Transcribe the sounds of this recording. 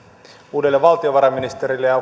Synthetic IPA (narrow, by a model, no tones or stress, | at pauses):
uːdelːeʋɑlt̪io̞ʋɑɾɑminist̪eɾilːejɑ